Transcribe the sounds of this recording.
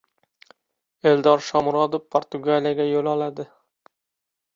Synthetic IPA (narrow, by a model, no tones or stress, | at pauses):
e̞ld̪ɒɾʃɒmɾɒd̪oppʰːoɾt̪ʊɡalijaɡʲajolɒlad̪ɪ